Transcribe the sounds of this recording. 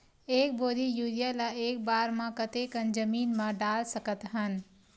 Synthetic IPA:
eːk̚boːd̪ijuːɾijalaeːk̚baːɾmãkət̪ekənd͡ʒəmiːnmãɖaːlsəkət̪ɦən

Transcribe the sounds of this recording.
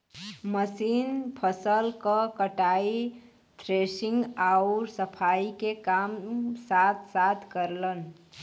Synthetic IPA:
məsinpʰəsəlkəkəʈai | t̪ʰɾesiŋɡaʊɾsəpʰaikekamsat̪ʰsat̪ʰkəɾlən

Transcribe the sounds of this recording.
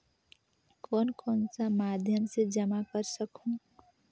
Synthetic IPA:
kɔːnkɔːnsamaːd̪ʱjəmsed͡ʒəmakəɾsəkũ

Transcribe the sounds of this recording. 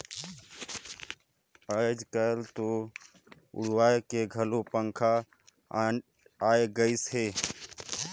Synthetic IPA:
əd͡ʒkəɾt̪o | ʊ̰ɽwaːekeɡʱəlopəŋkʰa | aeɡəɪsɦeː

